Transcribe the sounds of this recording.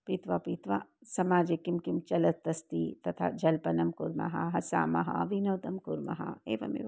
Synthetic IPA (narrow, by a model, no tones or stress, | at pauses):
pit̪ʋapit̪ʋasɐmaːd͡ʒekimkimt͡ʃɐlɐt̪t̪ːɐst̪it̪ɐt̪ʰa̰d͡ʒɐlpɐnɐmkuɾmɐ̰ɦɐ̰ɦɐsa̰ːmɐ̰ɦɐ̰ʋinoːt̪ɐmkuɾmɐ̰ɦɐ̰ḛːʋɐ̰mḛ